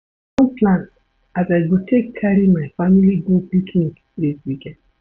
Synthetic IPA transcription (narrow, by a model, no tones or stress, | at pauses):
ɔ̃npʰlãn | azaɪɡotʰekʰːaɾimaɪfamiliɡupiknik | diswikɛ̃nd